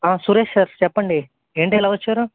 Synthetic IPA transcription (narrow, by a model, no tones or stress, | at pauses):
aːsuɾeːʃsaːɾt͡ʃɛpːɐɳɖi | e̞ːɳʈiɛlaːʋɐt͡ʃːaːɾu